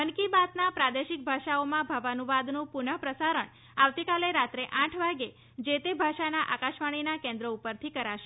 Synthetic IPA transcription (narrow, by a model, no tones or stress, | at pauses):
ənkibat̪napɾad̪eʃɪk̚bʱaʃaomãbʱəʋanuʋad̪nũpʊɳəpɾəsaɾəɳ | aʋt̪ikaleɾat̪ɾeʔãʈʰʋaɡe | d͡ʒet̪ebʱaʃanaʔakaʃʋaɽ̃inakẽnd̪ɾəupəɾt̪ʰikəɾaʃe